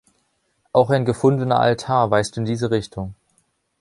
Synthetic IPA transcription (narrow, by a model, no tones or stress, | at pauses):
ʔaʊxaɪnɡəfʊndənɐ̰ʔa̰ltʰaːɐvaɪstuɪndiːzəʁɪçtʰʊŋ